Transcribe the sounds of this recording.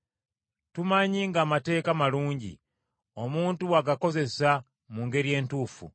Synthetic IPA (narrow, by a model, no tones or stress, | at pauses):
tumaɲiŋɡaːmate̞ːkamaluːɲɟḭ | o̞muːntuwaɡako̞ze̞sa | muːŋɡe̞ɾje̞ːntuːfṵ